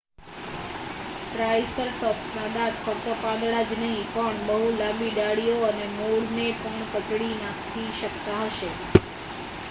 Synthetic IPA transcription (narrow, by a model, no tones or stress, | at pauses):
t̪ɾajsəlʈɔpsnãd̪at̪fək̚t̪əpãd̪ɭad͡ʒnəɦĩpəɳbəɦulambiɖaɽijoənemoɭnepəɳkət͡ʃɽinakʰtʰiʃəkt̪aɦəʃe